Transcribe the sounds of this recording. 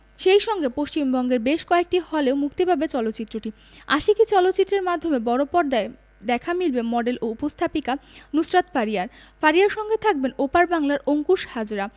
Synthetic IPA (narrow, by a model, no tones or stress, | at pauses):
ʃejʃɔŋɡepost͡ɕimbɔŋɡeɾbeʃkɔek̚ʈihɔleomukt̪ibʱabet͡ɕɔlot̪ːɕit̪ːɾoʈi | aʃikit͡ɕɔlot̪ːɕit̪ːɾeɾmad̪ʱomebɔɽopɔɾd̪ae | d̪ɛkʰamilbemɔɖelʔoupost̪ʰapikanusɾat̪faɾiaɾ | faɾiaɾʃɔŋɡet̪ʰak̚benopaɾbaŋlaɾoŋkuʃhad͡ʑɾa